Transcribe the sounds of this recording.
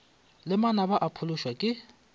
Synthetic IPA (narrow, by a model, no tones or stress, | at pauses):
lɪmanabaʔapʰʊlʊʃwakʼɪ